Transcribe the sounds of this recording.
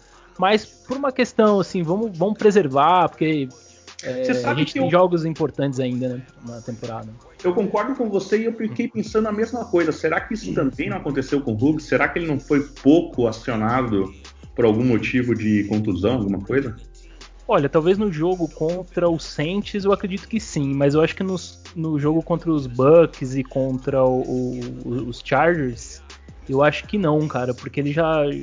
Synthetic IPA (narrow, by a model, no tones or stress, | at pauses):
mɐspoɾũmɐkest̪ɐ̃w̃asĩvɐ̃mʊvɐ̃mʊpɾezeɾvapoɾke | ɛseaʒẽt͡ʃɪteẽʒɔɡʊzĩpoɾt̪ɐ̃nt͡ʃɪzaĩnd̪ɐnɛ | nɐt̪ẽmpoɾa̰d̪ɐ | ewkõkɔɾd̪ʊkõvoseɪewffi̥kejpẽsɐ̃nd̪ʊɐmezmɐkojzɐseɾakɪisʊ̥t̪ɐ̃mbẽj̃nɐ̃w̃akõt̪esewkõɦuɡɪseɾakɪelɪnɐ̃w̃fojpowkʰʊasionad̪ʊ | poɾawɡũmot͡ʃivʊd͡ʒɪkõnt̪uzɐ̃w̃awɡũmɐkojzɐ | ɔʎɐt̪awveznʊʒoɡʊkõnt̪ɾɐʊsẽnt͡ʃɪzewakɾed͡ʒit̪ʊ̥kɪsĩmɐzewaʃʊ̥kɪnʊsnʊʒoɡʊkõnt̪ɾɐʊzbɐkɪzɪkõnt̪ɾɐʊʔʊː | st͡ʃaɾʒeɾs | ewaʃʊ̥kɪnɐ̃w̃kaɾɐpoɾkeelɪʒa